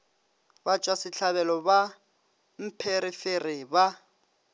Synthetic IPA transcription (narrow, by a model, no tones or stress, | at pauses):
bat͡ʃʼwasɪt͡ɬʰaβɛlɔba | m̩pʰeɾiferiba